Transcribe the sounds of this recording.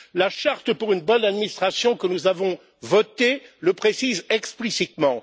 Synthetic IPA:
laʃaʁt̪əpuʁynbɔnad̪minist̪χasjɔ̃kənuzavɔ̃ | vɔt̪eləpχesizɛksplisit̪mɑ̃

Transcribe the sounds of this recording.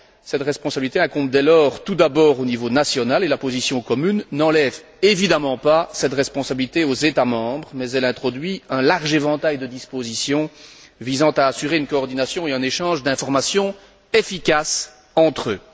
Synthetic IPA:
sɛt̪ʁɛspɔ̃sabilit̪eɛ̃kɔ̃bd̪ɛlɔʁt̪ud̪abɔːʁonivonasjɔnalelapozisjɔ̃kɔmynːɑ̃lɛv | evid̪amɑ̃pasɛt̪ʁɛspɔ̃sabilit̪eozet̪amɑ̃bʁmɛzɛlɛ̃t̪χɔd̪ɥiɛ̃laʁʒevɑ̃t̪ajd̪əd̪ispozisjɔ̃vizɑ̃t̪aːsyʁeynkɔːʁd̪inasjɔ̃eɛ̃neʃɑ̃ʒd̪ɛ̃fɔʁmasjɔ̃ | efikʲas | ɑ̃t̪χø

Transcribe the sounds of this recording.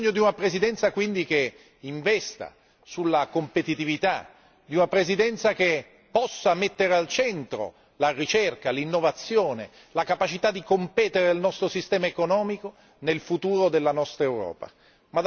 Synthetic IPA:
ɲːod̪iunapɾezid̪ɛnt̪sakwind̪ik̟e | iɱvɛst̪a̰ | sulːakompet̪it̪ivit̪a | d̪iunapɾezid̪ɛnt̪sak̟e | pːɔsːamet̪ːeɾealt͡ʃɛnt̪ɾo̰ | larit͡ʃerkalinːovat̪sːjoːne | lakapat͡ʃit̪ad̪ːikompɛːt̪eɾeilnɔst̪ɾosist̪ɛːmaekonɔːmiko | nelfut̪uːɾod̪elːanɔst̪ɾaewɾɔ̰ːpa̰ | ma

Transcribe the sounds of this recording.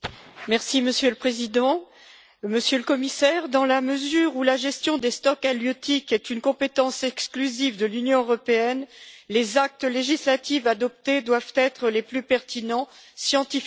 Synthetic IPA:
mɛʁsiməsjøləpχezid̪ɑ̃ | məsjøləkɔmisɛʁd̪ɑ̃laməzyʁulaʒɛst̪jɔ̃d̪est̪ɔkaljɔt̪ikɛt̪ynkɔ̃pet̪ɑ̃sɛksklyzivd̪əlynjɔ̃øʁɔpeɛnlezak̚t̪leʒislat̪ivad̪ɔp̚t̪ed̪wavt̪ɛt̪χəleplypɛʁt̪inɑ̃sjɑ̃t̪if

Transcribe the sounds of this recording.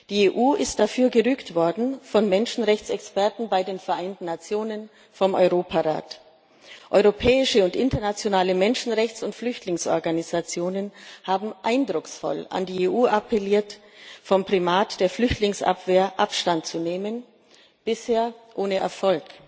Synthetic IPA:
d̥iːeːʔuːɪst̚d̥afyːɐɡəʁyːktv̥ɔɐdn̩fɔnmɛnʃn̩ʁɛçt͡sɛkspɛɐtn̩baɪdeːnfɛɐʔaɪntn̩nːat͡sjoːnən | fɔmʔɔ̰ʏʁoːpʰaʁa̰ːt | ʔɔʏʁopʰɛːɪʃəʊntʔɪntɐnat͡sjonaːləmɛnʃn̩ʁɛçt͡sʊntflʏçtlɪŋsʔɔ̰ɐɡanizat͡sjoːnənhaːbm̩ʔaɪndʁʊksfɔ̰la̰ndiːeːʔuːʔapʰɛliːɐtfɔmpʁ̥imaːtd̥eːɐflʏçtlɪŋsʔa̰pv̥eːɐʔapʃtantt͡suneːmən | b̥ɪsheːɐʔoːnəʔɛ̰ɐfɔlk

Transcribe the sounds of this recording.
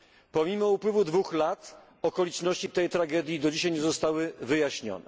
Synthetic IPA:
pɔmʲimɔupwɘvud̪vuxlat̪ | ɔkɔlʲitt͡ʂnɔɕt͡ɕit̪ɛjt̪ɾaɡɛd̪ʲjid̪ɔd͡ʑiɕajɲɛzɔst̪awɘvɘjaɕɲɔ̰nɛ

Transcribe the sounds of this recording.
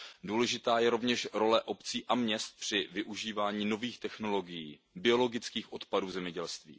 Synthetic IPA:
duːlɛʒɪt̪aːjɛɾo̞vɲɛʃɾo̞lɛʔo̞pt͡siːʔamɲɛst̪̚pr̝̥ɪvɪʔuʒiːvaːɲiːno̞viːxt̪ɛxno̞lo̞ɡɪjiː | bɪo̞lo̞ɡɪt͡skiːxʔo̞t̪paduːzɛmɲɛɟɛlst̪vḭː

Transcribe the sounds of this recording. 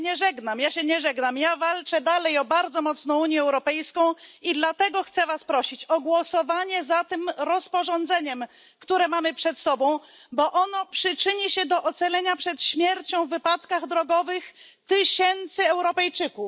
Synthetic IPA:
ɲɛʐɛɡnamjaɕɛɲɛʐɛɡnamjavalt͡ʂɛd̪alɛjɔbaɾd̪zɔmɔt̪snɔ̃w̃uɲjɛɛwɾɔpɛjskɔ̃w̃id̪lat̪ɛɡɔxt̪sɛvaspɾɔɕit͡ɕɔɡwɔsɔvaɲɛzat̪ɘmɾɔspɔʐɔ̃nd̪zɛɲɛm | kt̪uɾɛmamɘpʂɛt̪sɔbɔ̃w̃ | bɔʔɔnɔpʂɘt͡ʂɘɲiɕɛd̪ɔʔɔt̪sɛlɛɲapʂɛt̪ɕmʲjɛɾt͡ɕɔ̃w̃vːɘpat̪kaɣd̪ɾɔɡɔvɘxt̪ɪɕɛnt̪sɘɛwɾɔpɛjt͡ʂɘkuf

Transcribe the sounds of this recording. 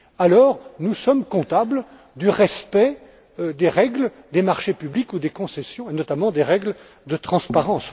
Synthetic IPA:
alɔʁnusɔmkɔ̃t̪abl | d̪yʁɛspɛ | d̪eʁɛɡl | d̪emaʁʃepyblikud̪ekɔ̃sɛsjɔ̃enɔt̪amɑ̃d̪eʁɛɡl | d̪ət̪χɑ̃spaʁɑ̃s

